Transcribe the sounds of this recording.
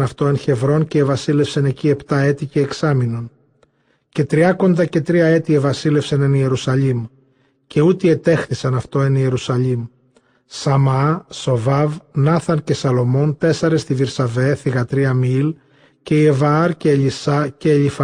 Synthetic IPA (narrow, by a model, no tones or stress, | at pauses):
ɐft̪o̞ençe̞vɾo̞nce̞ːvɐsile̞fsɐne̞cie̞pt̪ɐe̞t̪ice̞ːksɐmino̞n | ce̞t̪ɾiɐko̞nd̪ɐce̞t̪ɾiɐe̞t̪ievɐsile̞fsenenie̞ɾusɐʎim | ce̞ut̪ie̞t̪e̞xθisɐnɐft̪o̞e̞nie̞ɾusɐʎim | sɐmɐso̞vɐvnɐθɐnce̞sɐlo̞mo̞nt̪e̞sɐɾest̪iviɾsɐve̞θiɣɐt̪ɾiɐmil | ce̞ievɐɐɾceːʎisɐce̞ːʎif